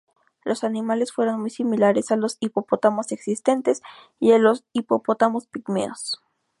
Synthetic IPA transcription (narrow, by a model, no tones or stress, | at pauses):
lʔo̞sanimale̞sfwe̞ɾonmujsimilaɾe̞salo̞sipopot̪amose̞ksist̪e̞nt̪es | ialosipopot̪amo̞spikmḛos